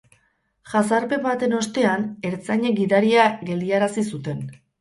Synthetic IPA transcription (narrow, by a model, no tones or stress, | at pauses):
ʝasaɾpe̞βat̪e̞no̞st̪e̞ane̞ɾt͡saɲe̞ɡiðaɾiaɣe̞ld̪iaɾasisut̪e̞n